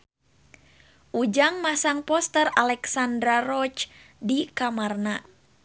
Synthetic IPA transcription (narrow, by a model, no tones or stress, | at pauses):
ʔud͡ʒaŋmasaŋpɔst̪əralɛksandɾarɔt͡ʃdikamarna